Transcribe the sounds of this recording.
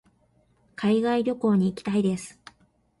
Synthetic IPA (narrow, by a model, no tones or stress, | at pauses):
kʰaiɡaiɾʲo̞ko̞ːɲ̟iːkʲi̥t̪aid̪e̞sɨ̥